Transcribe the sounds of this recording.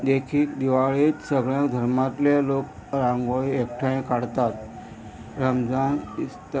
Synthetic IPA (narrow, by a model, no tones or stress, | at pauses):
d̪ekʰiːkd̪iʋaɭet̪səɡɭjãkd̪ʱəɾmat̪lelok | ɾãŋɡoiekʈʰaẽkaɽt̪at̪̚ | ɾəmd͡zanist̪